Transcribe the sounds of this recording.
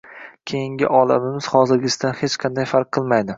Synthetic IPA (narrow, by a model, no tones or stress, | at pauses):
kʲʰe̞jɪŋʲɪ̰ʔɒlˠa̰mɪmɪz̥χɒzɪɾɡʲɪsd̪anhet͡ʃqʰɑnd̪ajfaɾq̚ʰːɨlˠmajd̪ɪ